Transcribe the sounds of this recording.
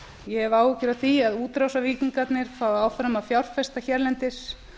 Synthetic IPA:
jɛɛvaːwɪcʏɾaθiaðuːt̪ɾawsaviːciŋkat̪nɪɾ̥faːaːwfɾamaðfjawɾ̥fɛst̪açɛɾlɛnt̪ɪs

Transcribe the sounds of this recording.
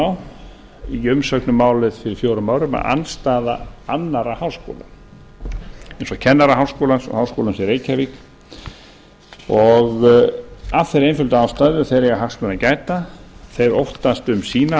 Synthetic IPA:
aw | iʏmsœknʏmːaːwlɪðfɪɾɪɾ̥fjowɾʏmaːwɾʏma̰ða̰nst̪aːðaanːaɾahawsko̰ːla̰ | ejnsɔcʰɛnːaɾaɦawskoːlansɔ̰hawskoːlansɛɾejcʰavik | ɔɣ | aθɛjɾejnfʏlt̪aawst̪aðʏθejɾjɛɣaɦakst̪mɛðacaːjt̪aθejɾowht̪ast̪ʏmsiːna

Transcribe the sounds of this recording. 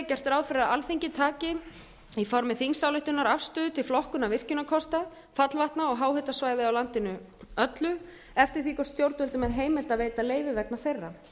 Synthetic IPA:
cɛr̥t̪ɾaːwfɪɾaalθiɲcɪt̪ʰaːcɪ | ifɔɾmɪθiŋsawlɪjht̪ʏnaɾafst̪ʏːðʏt̪ʰɪlflɔhkʏnavɪr̥cʏnakʰɔst̪a | fat̪lvaht̪naɔɣɦaːwɦʏt̪asvaːjðɪawlant̪ɪnʏ | œt̪lʏ | ɛft̪ɪɾ̥θikɔst̪jowɾt̪ʏlt̪ʏmɛɾɦeːjmɪl̥t̪aðveːjt̪aleːjvɪvɛk̚naθejrːa

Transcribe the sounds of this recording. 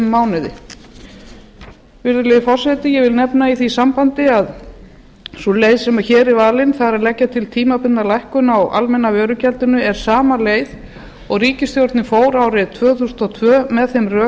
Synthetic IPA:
aːwnɪðɪ̰ | vɪɾðʏlɪɪfɔr̥sɛt̪ɪjɛɣvɪlnɛpnaiθisampant̪ɪað | sɔlejðsɛmaɾçɛːɾɪvaːlɪnθaðɾaðlɛcːat̪ʰɪlt̪ʰiːmapɪnalajhkʏnawa̰lmɛnːavœːɾʏcʰɛlt̪ʏnʏɛɾ̥saːmaleːjð | ɔɣriːcɪst̪jowɾt̪nɪfoːwɾawɾɪt̪ʰvœːθust̪ɔt̪ʰvœːmɛðθemrœː

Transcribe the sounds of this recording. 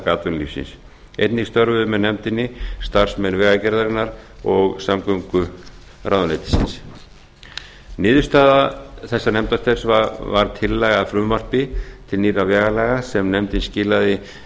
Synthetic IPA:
kaːt̪ʏnlḭfsɪ̰ns | ḛjt̪nɪst̪œɾvʏðʏmɛðnɛmt̪ɪnːɪst̪ar̥smɛnvɛːɣacɛɾðaɾɪnːaɾɔɣsamkœŋkʏ | ɾʔaːwðanɛjt̪ɪ̥sɪ̰ns | nɪːðʏ̥st̪aːðaθɛsːanɛmt̪ast̪ɛɾ̥svavaɾ̥t̪ʰɪlːɛːɣafɾʏːmar̥pɪt̪ʰɪlniːɾavɛːɣalɛːɣasɛmnɛmt̪ɪnscɪːlaðɪ

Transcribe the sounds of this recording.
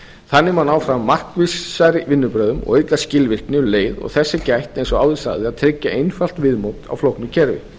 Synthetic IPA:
θanːɪmanaːwfɾammːar̥kvɪsaɾɪvɪnːʏpɾœːðʏmɔ̰ɣejk̪lḁscɪlvɪr̥knɪleːjðɔ̰ɣθɛsːɪcajht̪ejnsɔaːwðɪsa̰ɣðɪaðt̪ʰɾɪcːaejnfal̥t̪vɪðmowt̪a̰wflowhknʏcʰɛɾvɪ̰

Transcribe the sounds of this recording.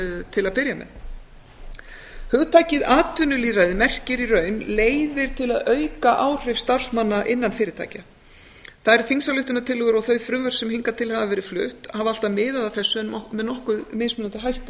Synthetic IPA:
t̪ʰɪlaðpɪɾjamɛ̰ð | hʏɣt̪ʰajcɪðaːt̪ʰʏnʏliːrajðɪmɛr̥cɪɾirœːɥnleːjðɪɾ̥t̪ʰɪlaðœɥkaʔaːwr̥ɪvst̪ar̥smanːaʔɪnːanfɪːɾɪt̪a̰jca | θaðɛɾθiŋsalʏht̪ʏnat̪ʰɪlːʏɣʏɾɔɣθœɥfɾʏvœɾ̥sɛmhiŋkat̪ʰɪlhavavɛːɾɪflʏ̰ht̪haːval̥t̪amɪːðaðaθɛsːʏɛmɛðnɔhkʏðmɪːðsmʏnant̪ɪɦajht̪

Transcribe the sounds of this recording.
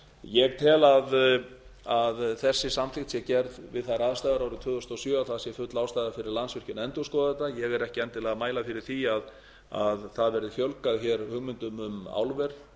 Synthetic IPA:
jɛɣt̪ʰɛːlað | aðθɛsːɪsamθɪxt̪sjɛcɛɾðvɪðθaɾaːðst̪ajðaɾaːwɾʏt̪ʰvʏːðʏst̪ɔsjœːaθaðsjɛfʏt̪laːwst̪ajðafɪɾɪɾlansvɪr̥cʏnɛnt̪ɔskɔːðaɛt̪ːajɛɣɛɾɛhcɪɛjnt̪ɪlɛːɣamaːjlafɪɾɪɾ̥θiað | a̰ðθaðvɛɾðɪfjœlkaðçɛɾhʏɣmʏnt̪ʏmʏma̰wlvɛɾ

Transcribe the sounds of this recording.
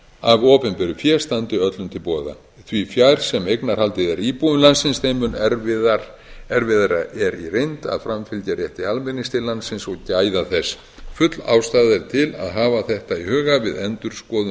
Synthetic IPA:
avoːpɛnpʏɾʏfjɛːst̪ant̪ʏœt̪lʏmt̪ʰɪlpɔːða̰ | θvifjajɾ̥sɛmejknaɾ̥halt̪ɪðɛɾiːpuðʏmlansɪnsθejmʏnɛɾvɪðaɾ | ɛɾvɪðaɾaʔɛɾirejnt̪a̰ðfɾamfɪlcaɾjɛht̪ialmɛnːɪst̪ʰɪllːansɪnsɔɣcaːjðaθɛs | fʏt̪la̰ːwst̪aːðɪɾ̥t̪ʰɪla̰ðɦaːvaθɛht̪aiɦʏːɣavɪðɛnt̪ʏɾ̥skɔːðʏ

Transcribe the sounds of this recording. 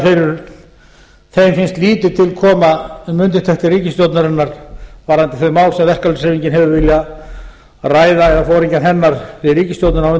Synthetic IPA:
fɪɾʏɾ | θejmfɪnst̪liːt̪ɪt̪ʰɪlkʰɔːmamʏnt̪ɪ̥t̪ʰɛht̪ɪriːcɪst̪jowt̪naɾɪnːaɾ̥vaɾant̪ɪθœðmaːwlsɛmvɛr̥kalʏsɾeviɲcɪnɦɛvʏvɪlja | raːjðaɛafoːwɾiɲcanɦɛnːaɾɪɾiːcɪst̪jowt̪nɪnamʏn

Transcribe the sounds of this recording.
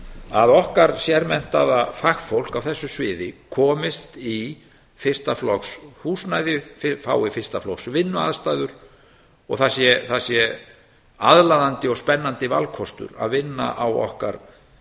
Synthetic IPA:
aðɔhkaɾ̥sjɛɾmɛn̥t̪aðafaxfowl̥kawθɛsːʏsvɪːðɪkʰɔːmɪst̪i | fɪr̥st̪aflɔkshuːsnajðɪfɪfaːwɪfɪrst̪aflɔksvɪnːʏa̰ðst̪ajðʏɾ̥ | ɔ̰ɣθasjɛθasjɛ | aðlaðant̪ɪɔɣspɛnːant̪ɪvalkʰɔst̪ʏ̰ɾa̰ðvɪnːa̰ʔawɔ̰hka̰ɾ

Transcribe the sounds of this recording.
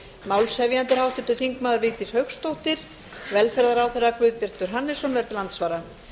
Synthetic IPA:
maːwlshɛvjant̪ɪɾ̥hawht̪ʏnt̪ʏθiŋkmaːðʏɾvɪːt̪ɪshœɥkst̪owht̪ɪɾ̥ | vɛlfɛɾðaɾawθɛrːakvʏːðpɪr̥t̪ʏɾ̥ɦanːɪsɔnvɛɾðʏlant̪svaːɾa

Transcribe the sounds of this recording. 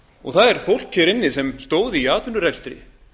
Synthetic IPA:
ɔɣθaðɛɾ̥fowl̥cʰɛɾɪnːɪsɛmst̪oːwðɪiaːt̪vʏnʏrɛlst̪ɾɪ̰

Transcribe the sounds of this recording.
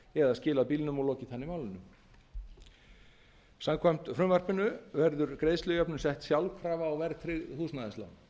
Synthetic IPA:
ɛðaðscɪːlaðpiːlnʏmɔɣlɔːcɪθanːɪmaːwlɪnːʏm | samkʰvam̥t̪fɾʏmvar̥pɪnʏvɛɾðʏɾkɾeːjðslʏjœpnʏsɛht̪sjawlkʰɾaːvaːwvɛɾθʰɾɪɣhuːsnaðɛst̪la̰n

